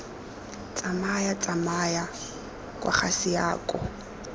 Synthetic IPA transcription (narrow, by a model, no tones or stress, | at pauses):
t͡sʼamajat͡sʼamaja | kʼwʔa̰χasɪjaːkʼɔ